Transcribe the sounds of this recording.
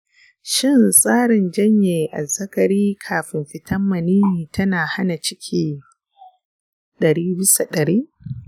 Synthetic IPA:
ʃɪ˦nsʼaː˦ɽɪ˨nd͡ʒɐ˦ɲjeː˨ʔa˨zɐ˦kɐ˨ɾiː˦kʰaː˨ɸɪ˨mɸɪ˦tɐ˦mːɐ˨niː˦niː˨tɐ˦naː˨ha˦na˨t͡ʃɪ˦kʲʰiː˨ | ɗɐ˨ɽiː˦bɪ˦sa˨ɗɐ˨ɽiː˦ʔ

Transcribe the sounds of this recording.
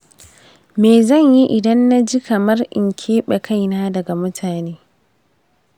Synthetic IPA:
meː˨zɐ˦˨ɲji˦ʔɪ˨dɐ˦nːa˦d͡ʒi˦kɐ˨mɐ˦rʔɪ̰˨ŋkʲʰeː˦ɓɛ˨kʰa˦jnaː˦dɐ˨ɡa˨mʊ˦tʰaː˨neː˦

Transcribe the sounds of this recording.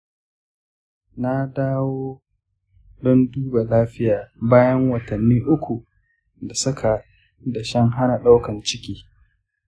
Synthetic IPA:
na˦daː˦woː˦ | dɔ˦nduː˦ba˨laː˦ɸɪ˦jaː˨baː˦jɐ˦ŋwɐ˨tɐ˨nːiː˦ʔʊ˦kʷu˨ | da˨sʊ˦kʰa˨ | dɐ˨ʃɐ˦ŋɦa˦na˨ɗa˦wkɐ˨nt͡ʃɪ˦kʲiː˦

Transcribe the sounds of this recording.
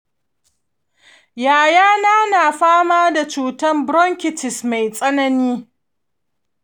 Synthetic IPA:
jaː˨jaː˦naː˦naː˨ɸaː˦maː˦da˨t͡ʃuː˨tɐ˦mbɽɔ˦ŋkʲɪ˨tɪ˨sma˨jsʼɐ˦nɐ˦niː˦

